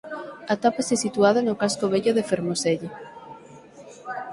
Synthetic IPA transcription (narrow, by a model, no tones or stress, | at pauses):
at̪apasesit̪uað̞anokaskoβeʎoðefeɾmoseʎ